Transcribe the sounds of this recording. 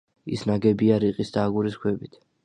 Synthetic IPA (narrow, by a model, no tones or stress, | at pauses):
isnaɡɛbiaɾiqʼisd̪aːɡuɾiskʰwɛbit̪ʰ